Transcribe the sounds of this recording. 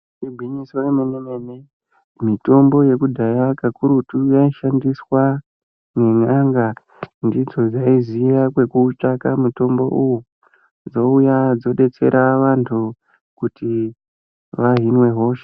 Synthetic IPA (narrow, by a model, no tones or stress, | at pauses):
ibʱiɲiswaemenemene | mito̞mbo̞je̞kudʱajakakuɾutujaiʃandiswa | ne̞ŋaŋɡa | ndid͡zo̞d͡zaizijakwe̞kuːt͡ʃakamuto̞mbo̞̰ʔuju | d͡zo̞ujad͡zo̞ɗe̞t͡se̞̰ɾʔaʋantʰu | kuti | ʋaɦinwe̞ɦo̞ʃe̥